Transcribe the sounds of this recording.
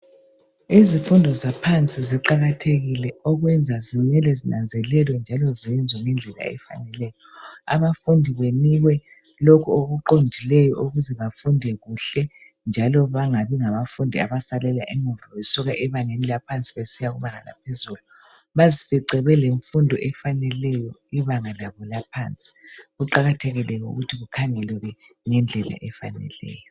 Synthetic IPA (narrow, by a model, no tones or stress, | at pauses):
izifundʱɔzapʰant͡sʼiziǃaɣatʰeɣilɛɔɣwɛnd͡zʱaziɲɛlɛzinand͡zʱɛlɛlwɛnd͡ʒʱalɔziɛnd͡zʱwemind͡ɮʱɛla̰ɛ̰fa̰nɛlɛjɔa̰βafundʱiβeniɣwɛ | lokʰuoɣuǃondʱilɛjɔʔuɣuzɛβafundʱɛɣuɬɛ | nd͡ʒʱalɔβaŋaβiŋaβafundʱiaβasalɛlaʔimuvawɛsuɣaʔɛβaŋenilapʰant͡sʼiβesijaɣuβaŋala̰pʰezulu | βazifɛǀɛβɛleɱfundʱɔʔɛfanɛlɛjɔiβaŋalaβɔlapʰant͡sʼi̥ɣuǃaɣatʰɛɣɛlɛkɔṵɣutʰiɣukʰaŋɛlwɛɣɛ | ŋɛnd͡ɮʱɛla̰ʔɛfa̰nɛ̰lɛ̰ːjɔ